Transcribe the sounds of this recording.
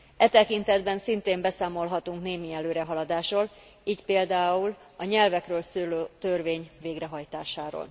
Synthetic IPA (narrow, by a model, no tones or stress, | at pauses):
ɛt̪ɛkint̪ɛd̪bɛnsint̪eːmbɛsaːmo̞lɦɒt̪uŋkneːmiɛløːɾɛɦɒlɒd̪aːʃroːl | iːcpeːld̪aːul | ɒɲɛlvɛkrøːlsøløːt̪ørveːɲveːɡrɛɦɒjt̪aːʃaːɾo̰l